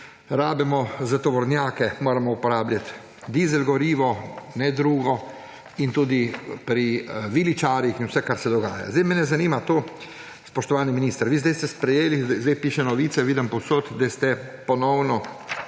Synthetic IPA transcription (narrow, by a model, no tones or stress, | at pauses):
ɾaːbɛmɔzat̪ɔʋɔɾnjaːkɛmoːɾamɔupɔɾaːblʲjat̪ | d̪izɛlɡɔɾiːʋɔnɛd̪ɾuːɡɔ | int̪uːd̪ipɾiʋilit͡ʃaːɾjixinwsɛkaɾsɛd̪ɔɡa̰ːja̰zd̪ɛjmɛnɛzaniːmat̪oː | spɔʃt̪ɔʋaːniminiːst̪əɾʋiːzd̪ɛjst̪ɛspɾɛjeːlizd̪ɛjpiːʃɛnɔʋiːt̪sɛʋiːd̪əmpɔwsoːt̪d̪ast̪ɛpɔnɔwnɔ